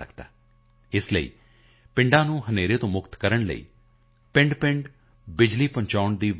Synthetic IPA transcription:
ə̰kd̪a̰ː | ɪsləḭː | pɪ̃ɳɖãːnũːɦəneːɾeːt̪õːmʊkt̪kəɾəɳlə̰ḭː | pɪ̃ɳɖpɪ̃ɳɖ | bɪd͡ʒliːpə̃ɲt͡ʃaːʊɳd̪iːʋ

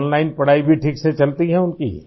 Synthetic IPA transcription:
nlaːɪnpɐɽ̤aːibʱiʈʰiːkset͡ʃɐlt̪iɦɛʊnkḭː

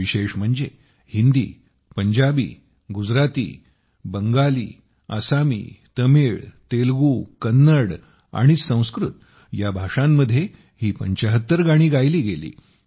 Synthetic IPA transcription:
ʋiɕeʂm̤əɳd͡ze | hind̪ḭː | pəɲd͡ʑabḭː | ɡud͡zɾat̪ḭː | bəŋɡalḭː | a̰samḭːt̪əmeɭt̪elɡuːkənːəɽ | a̰ɽ̃isə̃w̃skɾut̪ | jabʱaʂamːəd̪ʱːje | hiːpəɲt͡ɕəɦət̪ːəɾɡaɽ̃iːɡajliːɡelḭː

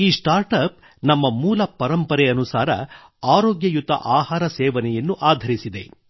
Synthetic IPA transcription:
iːsʈaːɾʈɐp̚ | nɐmːɐmuːlɐpɐɾɐmpɐɾɛɐnusaːɾɐ̰ | aːɾoːɡjɐjut̪ɐ̰ʔaːɦaːɾɐsɛːʋɐnɛjɐnːuʔaːd̪ʱɐɾisid̪e̞

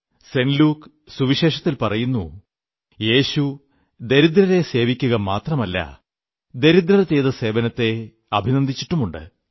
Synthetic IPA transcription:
se̞nluːk | suʋiɕe̞ːʂɐt̪ːilpɐrɐjunːu | je̞ːɕu | d̪e̞ɾid̪ɾɐɾe̞se̞ːʋikʲːuɣɐmaːt̪rɐmɐlːɐ̰ | d̪e̞ɾud̪ɾɐɾt͡ɕejðɐse̞ːʋɐnɐt̪ːe̞ | ɐbʱinɐnd̪ʱit͡ɕːi̥ʈːumuɳɖɨ̰

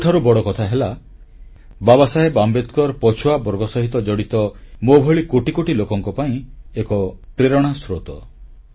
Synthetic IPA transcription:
uʈʰaɾubɔɽɔkɔt̪ʰaɦela | babasaɦebambet̪kɔɾpɔt͡ʃʰuabɔɾɡɔsɔɦit̪ɔd͡ʒɔɽit̪ɔmobʱɔɭikoʈikoʈilokɔŋkɔpaĩekɔpɾeɾɔɽ̃asɾot̪ɔ

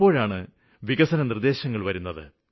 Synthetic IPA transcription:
po̞ːɻaːɳɨ | ʋiɣɐsɐnɐnird̪e̞ːɕɐŋːɐɭʋɐɾunːɐðɨ̰

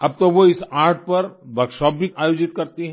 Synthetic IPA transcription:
ɐb̚t̪oʋoɪsaːɾʈ̚pɐɾʋɐɾkʃɔːp̚bʱiaːjoːd͡ʒɪt̪kɐɾt̪iɦɛ

